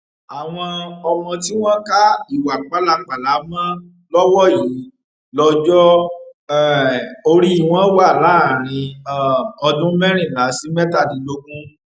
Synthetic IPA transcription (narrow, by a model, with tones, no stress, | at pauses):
a˨w̃ɔ̃˧ɔ˧mɔ̃˧ti˦w̃ɔ̃˦ka˦i˦˨wa˨k͡pa˨˦la˧k͡pa˨la˨˦mã˦ | lɔ˦wɔ˦˨ji˨˦ | lɔ˧d͡ʒɔ˦ɛ˦˨o˧ɾi˦i˦˨w̃ɔ̃˦wa˦˨la˨˦˨ɾ̃ĩ˧˦˨ | ɔ˧dũ˦mɛ˦ɾ̃ĩ˦˨la˨˦si˦mɛ˦ta˦˨dĩ˨˦lo˦kũ˦